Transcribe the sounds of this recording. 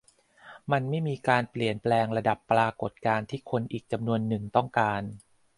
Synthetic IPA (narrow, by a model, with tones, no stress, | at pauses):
ma˧nma˥˩jmiː˧kaː˧npli˨˩ənplɛː˧ŋɾa˧da˨˩pːlaː˧ko˨˩t̪̚kaː˧nt̪ʰiː˥˩kʰo˧nʔiː˨˩k̚t͡ɕa˧mnu˧ənːɯ˨˩ŋt̪ɔ˥˩ŋkaː˧n